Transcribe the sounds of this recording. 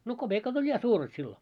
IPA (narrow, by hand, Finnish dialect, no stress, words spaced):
no kob̥eˑkɑt olʲ jɑ suːret silːo